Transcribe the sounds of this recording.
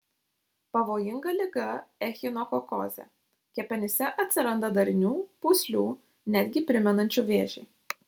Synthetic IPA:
pɐʋoːjɪŋɡɐlʲɪɡɐɛxʲɪnɔkɔko̰ːzʲɛ̰ | kʲɛpʲɛnʲɪsʲɛʔɐt̪ʲsʲɪɾɐnd̪ɐd̪ɐɾʲɪnʲuːpuːsʲlʲuː | nʲæd̪ʲɡʲɪpʲɾʲɪmʲɛnɐnʲt͡ʃʲuʋʲeːʒʲɪː

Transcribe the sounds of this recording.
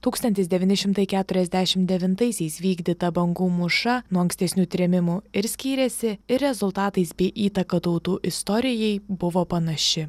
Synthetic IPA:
t̪uːkst̪ɐnʲt̪ʲɪsd̪ʲɛʋʲɪːnʲɪʃʲɪmt̪ɐɪkʲæːt̪ʊɾʲɛzʲd̪ʲæʃʲɪmd̪ʲɛʋʲɪnt̪ɐɪsʲɛɪsʋʲiːɡd̪ʲɪt̪ɐbɐŋɡuːmʊʃɐnuɔɐŋksʲt̪ʲɛsʲnʲuːt̪ʲɾʲɛmʲɪmuɪɾsʲkʲiːɾʲɛsʲɪɪɾʲɾʲɛzʊlˠt̪ɑːt̪ɐɪsbʲɛɪʔiːt̪ɐkɐt̪ɐʊt̪uːʔɪst̪ɔɾʲɪjɛɪbʊʋoːpɐnɐʃʲɪ

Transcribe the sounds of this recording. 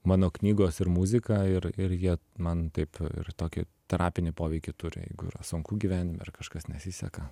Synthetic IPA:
mɑːnoːknʲiːɡoːsɪɾmuːzʲɪkɑːɪɾɪɾjiɛmɐnt̪ɐɪpɪ̰rt̪oːkʲɪ̰t̪ɛɾɑːpʲɪnʲɪpoːʋʲɛɪkʲɪt̪ʊɾʲɪ̰jɛ̰ɪɡʊḭːɾɐ̰sʊŋkuːɡʲiːʋʲæːnʲɪmʲɛ̰ɪrkɐʃkɐsnʲɛsʲisʲɛkɐ

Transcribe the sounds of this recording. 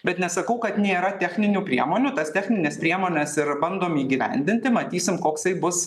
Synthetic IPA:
bʲɛt̪nʲɛsɐkɐʊkɐt̪nʲeːɾɐt̪ʲæxʲnʲɪnʲuːpʲɾʲiɛmoːnʲuːt̪ɐst̪ʲɛxʲnʲɪnʲeːspʲɾʲiɛmoːnʲɛsɪɾbɐnd̪oːmiːɡʲiʋʲɛ̰nʲd̪ʲɪnʲt̪ʲɪmɐt̪ʲiːsʲɪmkoːksɐɪbʊs

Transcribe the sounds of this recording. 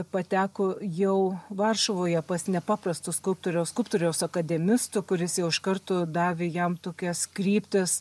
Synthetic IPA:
pɐt̪ʲæːkojɛʊʋɐrʃɐʋoːjɛpɐsnʲɛpɑːprɐst̪ʊskʊlp̚t̪oɾʲɛskʊlˠpt̪oːɾʲɛʊsɐkɐd̪ʲɛmʲɪst̪ʊkʊɾʲɪsjɛʊɪʃkɐrt̪od̪ɑːʋʲejɛmt̪oːkʲɛskɾʲiːpʲt̪ʲɪs

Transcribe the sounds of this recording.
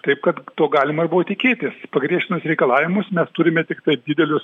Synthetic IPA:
t̪ɐɪpkɐt̪t̪oːɡɑːlʲɪmɐɪrbuʋot̪ʲɪkʲeːt̪ʲɪspɐɡɾʲiɛʃʲt̪ʲɪnʲʊsɾʲɛɪkɐlˠɑːʋʲɪmʊsmʲɛst̪ʊɾʲɪmʲɛt̪ʲɪkt̪ɐɪd̪ʲɪd̪ʲɛlʲʊs

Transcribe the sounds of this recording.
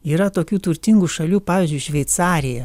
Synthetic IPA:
iːɾɐt̪oːkʲuːt̪ʊɾʲt̪ʲɪŋɡuʃɐlʲuːpɑːʋʲiːzʲd͡ʒʊɪʃʲʋʲɛɪt̪sɑːɾʲɪjɛ

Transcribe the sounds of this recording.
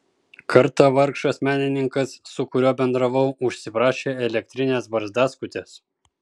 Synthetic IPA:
kʰɐɾt̪ɑʋɐɾkʃɐsmʲæːnʲɪnʲɪŋkɐsːʊkʊɾʲoːbʲɛnd̪ɾɐʋɐʊʊʃʲsʲɪpɾɑːʃʲeːɛlʲɛk̚t̪ʲɾʲɪnʲeːsbɐɾzd̪ɑːskʊt̪ʲes

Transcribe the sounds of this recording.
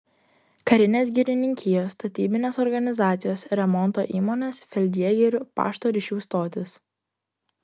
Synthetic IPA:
kɐɾʲɪnʲeːs̬ʲɡʲɪɾʲɪnʲɪŋʲkʲɪjoːsːt̪ɐt̪ʲiːbʲɪnʲeːsɔɾɡɐnʲɪzɑːt̪sʲɪjoːsɾʲɛmɔnˑt̪oːʔiːmoːnʲeːsfʲɛlʲd̪ʲiɛɡʲɛɾʲʊpɑ̰ːʃt̪oːɾʲɪʃʲuːst̪oːt̪ʲɪs

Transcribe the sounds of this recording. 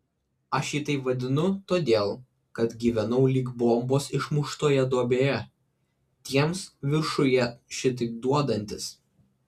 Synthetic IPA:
ɐʃjiːt̪ɐɪpʋɐd̪ʲɪnʊt̪oːd̪ʲeːlˠ | kɐt̪ɡʲiːʋʲɛnɐʊlʲiːɡbˠɔmboːsɪʃmʊʃt̪oːjɛd̪oːbʲeːjɛ | t̪ʲiɛmsʋʲɪɾʃʊjɛʃʲɪt̪̬ɪk̚d̪uɔd̪ɐnʲt̪ʲɪs

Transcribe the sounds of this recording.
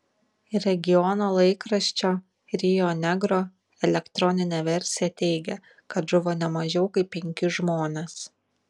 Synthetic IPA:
ɾʲɛɡʲɪjɔnoːlˠɐɪkɾɐʃʲt͡ʃʲoː | ɾʲɪjonʲɛɡɾoː | ɛlʲɛkt̪ɾɔnʲɪnʲɛːʋʲɛɾʲsʲɪjɛt̪ʲɛɪɡʲɛ | kɐt̪ʒʊʋoːnʲɛmɐʒʲɛʊkɐɪpʲːɛŋʲkʲʊʒmoːnʲes

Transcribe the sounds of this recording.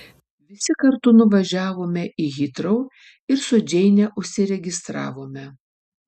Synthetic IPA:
ʋʲɪsʲɪkɐɾt̪ʊnʊʋɐʒʲæːʋoːmʲɛʔɪɣʲɪt̪ɾɐʊ | ɪɾsʊd͡ʒʲɛɪnʲɛʔʊʃʲsʲɪɾʲɛɡʲɪst̪ɾɑ̰ːʋoːmʲɛ

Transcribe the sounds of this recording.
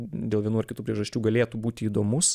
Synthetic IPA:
d̪ʲeːlˠʋʲiɛnuːɐrkʲɪt̪uːpʲɾʲiɛʒɐsʲt͡ʃʲuːɡɐlʲeːt̪ubuːt̪ʲɪiːd̪oːmʊs

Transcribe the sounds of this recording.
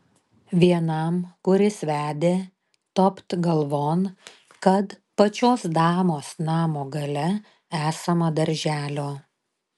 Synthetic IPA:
ʋʲiɛnɐmkʊɾʲɪsʋʲæːd̪ʲeː | t̪ɔpt̪ɡɐlˠʋoːn | kɐt̪ | pɐt͡ʃʲoːsd̪ɑːmoːsnɑːmoːɡɐlʲɛ | æːsɐmɐd̪ɐɾʲʒʲæːlʲoː

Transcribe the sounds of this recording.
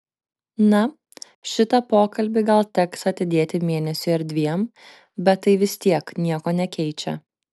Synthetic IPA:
nɐ | ʃʲɪt̪ɐpoːkɐlʲbʲɪɡɐlˠt̪ʲɛksɐt̪ʲɪd̪ʲeːt̪ʲɪmʲeːnʲɛsʲʊɐɾʲd̪ʲʋʲiɛm | bʲɛt̪ːɐɪʋʲɪst̪ʲiɛknʲiɛkoːnʲɛkʲɛɪt͡ʃʲɛ̰

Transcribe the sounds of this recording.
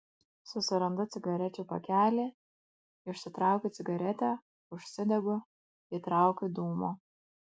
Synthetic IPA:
sʊsʲɪɾɐnd̪ʊt̪sʲɪɡɐɾʲɛt͡ʃʲuːpɐ̰kʲæːlʲeː | ɪʊʃʲsʲɪt̪ɾɑˑʊkʲʊɪɡɐɾʲɛt̪ʲɛ | ʊʃʲsʲɪd̪ʲɛɡʊ | it̪ɾɑˑʊkʲʊd̪uːmoː

